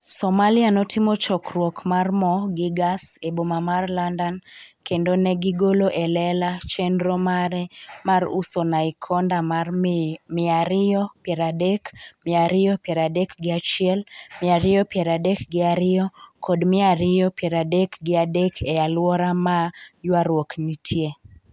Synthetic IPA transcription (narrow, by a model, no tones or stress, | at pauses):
sɔmalɪanɔtɪmɔt͡ʃɔkrwɔkmarmɔɡɪɡasebomamarlandankendonɛɡɪɡoloʔɛlɛlat͡ʃɛnɾɔmaɾɛmarṵsonaikʰɔndamarmɪaɾɪɔpjɛɾadekmɪaɾɪjɔpjɛɾadekɡɪat͡ʃɪɛlmɪaɾɪɔpjɛɾadɛkɡɪaɾɪɔkʰɔdmɪaɾɪjɔpjɛɾadekɡɪadekʰɛalwɔɾamajwaɾwoknitʰje